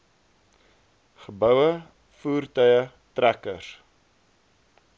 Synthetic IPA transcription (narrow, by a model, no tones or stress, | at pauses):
χəbœwə | fuːrtœɥjə | trækəs